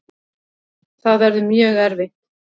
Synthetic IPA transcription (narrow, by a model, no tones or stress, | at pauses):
θaðvɛɾðɪmjœːɣɛɾvejht̪